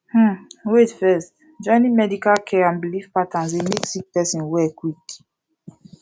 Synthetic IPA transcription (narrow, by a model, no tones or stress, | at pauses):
h̩wetfɛst | d͡ʒɔ̃ɪ̃nĩmɛdikalkʰɛãnbilifpatãns̬emeksik̚pɛsĩnwɛkwik